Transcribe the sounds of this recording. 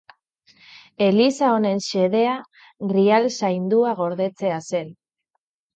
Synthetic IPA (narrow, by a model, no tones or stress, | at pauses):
e̞lisao̞ne̞nse̞ðe̞a | ɣɾialsajnd̪uaɣ̞o̞ɾðe̞t͡se̞ase̞n